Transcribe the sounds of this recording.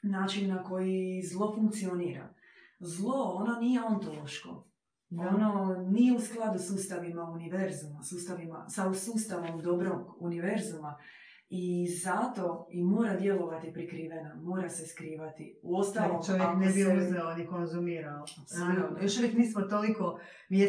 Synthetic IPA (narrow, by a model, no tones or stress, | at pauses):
naːt͡ʃinːako̞jizlˠo̞fuŋk̚t̪sio̞niːɾa̰ | zlˠo̞ono̞nije̞ont̪o̞lˠo̞ʃko̞̰ | ono̞nijeusklˠad̪usuːst̪aʋimauniʋeɾzumasuːst̪aʋima̰sausuːst̪aʋo̞md̪o̞bɾoɡuniʋe̞ɾzuma | izat̪o̞imo̞ːɾad̪je̞lo̞ʋat̪ipɾikɾiːʋenamo̞ːɾase̞skɾiːʋat̪iuo̞st̪alˠomt͡ʃoʋjeknebioizaonikonzumiːɾaoapsnaːɾanojoʃuʋjekniːsmot̪oliko | mie